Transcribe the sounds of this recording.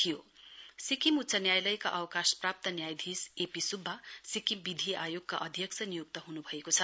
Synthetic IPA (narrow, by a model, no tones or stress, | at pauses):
t̪ʰijosikimut̪sʌnjajlʌjka̰ʔʌwkasprap̚t̪ʌnjajd̪ʱisepisubʱːasikimbid̪ʱiajoɡ̚ka̰ʔʌd̪ʱjʌksʰʌnijuk̚t̪ʌɦunubʱʌekot͡sʰʌ